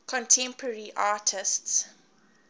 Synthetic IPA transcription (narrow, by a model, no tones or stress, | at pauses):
kʰɔ̃ntʰɛ̃mpʰəəɹiʔaːtʰɪsts